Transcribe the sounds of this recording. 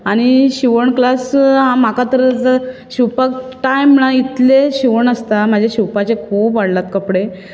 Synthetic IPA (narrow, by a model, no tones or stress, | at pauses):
aɽ̃iɕiʋəɳklasɦãm̤akat̪əɾəd͡zəɕiwpakʈajmnãit̪leɕiʋəɳəst̪amad͡ʑʱjaɕiwpat͡ɕekʰuːpʋaɽlat̪kəpɽe